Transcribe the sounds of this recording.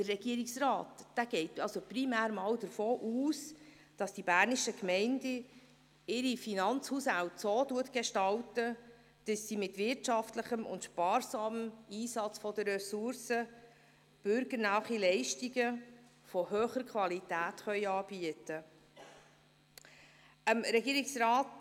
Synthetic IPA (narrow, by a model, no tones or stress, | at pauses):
d̥ərːɛɡ̥iəɾɪksrɑːtd̥æɡ̥ɛɪtɑlsoprimæːɾmɑːwdəɾfoːʔuːs | d̥ɑsd̥ibæːɾniʃəkmɛɪndə | ɪɾifinɑnt͡shuːshæwtsoːtuətɡ̥eʃtɑltə | d̥əsːimɪtʋɪɾtʃɑftləχəmʊ̰ntʃpɑːɾsɑːmmiːsɑt͡sfɔdəɾɛsʊɾsə | b̥ʏɾɡəɾnɑːχilɛɪʃtiɡə | fɔhøːχəɾkʰvɑlitæːtχœʏɑːb̥iətə | əmɾɛɡiːɾɪksɾɑːt